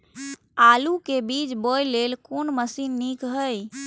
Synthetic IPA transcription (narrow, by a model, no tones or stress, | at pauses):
alukebid͡ʒbojlelkonməsinːikɦəj